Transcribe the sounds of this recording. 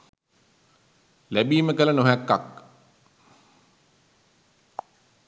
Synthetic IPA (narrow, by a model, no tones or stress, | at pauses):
læbiːməkələnoɦækːak